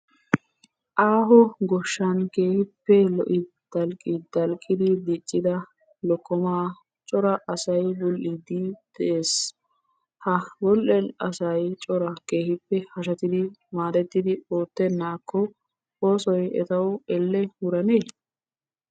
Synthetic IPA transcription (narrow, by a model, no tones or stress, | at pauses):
ʔaːɦɔɡɔʃːɐnke̞ːhɪpːɛlɔʔɪ | d̪̥ɐlkʼːɪd̪ɐlkʼːɪd̪ɪd̪it͡ʃʼːɪd̪ɐ | lɔkːɔmaː | t͡ʃʼɔɾɐʔɐsɐjbɔlʔɪd̪ɪd̪̥ɛʔeːs | hɐbɔlʔɛnɐsɐjt͡ʃʼɔɾɐkeːhɪpːɛhɐʃɐt̪ɪd̪ɪmaːd̪ɛt̪ːɪd̪ɪoːt̪ːɛnːaːkʰːɔ | oːsɔjɛ̰t̪ɐwɛlːɛwʊɾɐneː